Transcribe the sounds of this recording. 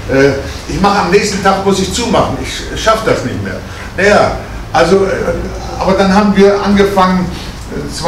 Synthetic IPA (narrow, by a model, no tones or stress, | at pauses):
ʔɛː | ʔɪçmaχəamnɛːçstn̩tʰaːkmʊsɪçt͡suːmaχn̩ɪç | ʃafəd̥asnɪçtmḛːɐ | najaː | ʔalzoɛ | ʔa̰ːbɐdanɦaːbm̩viːɐʔanɡəfaŋən | t͡sv̥